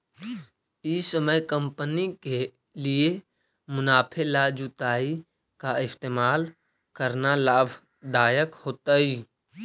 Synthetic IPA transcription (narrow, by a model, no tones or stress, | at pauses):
isəməjkə̃mpənike | lie | mʊnaːpʰelad͡ʒut̪aːi | kaɪst̪eːmaːl | kəɾnalaːbʱ | d̪aːjəkhoːt̪əi